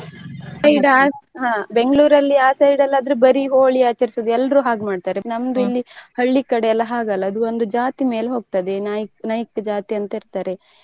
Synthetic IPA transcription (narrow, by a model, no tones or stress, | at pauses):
sɐjɖaːɦaːbe̞ŋɡɭuːɾɐlːiaːsɐjɖɐlːaːd̪ɾebɐɾiɦoːɭiaːt͡ʃɐɾisoːd̪uɛlːɾuːɦaːɡmaːɖt̪aːɾenɐmd̪uilːihɐɭːikɐɽeɛlːɐɦaːɡɐlːɐːd̪uond̪ud͡ʒaːt̪ime̞ːlɦo̞ːɡ̚t̪ad̪enaːjknaːjikːd͡ʒaːt̪iɐnt̪ɐiɾt̪aːɾe̞